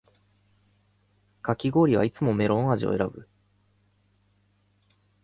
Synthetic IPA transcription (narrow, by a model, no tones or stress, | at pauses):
kakʲiɡo̞ːɾʲiβa̰it͡sɨmo̞me̞ɾõ̞ɰ̃aʑio̰e̞ɾabɯ̟̰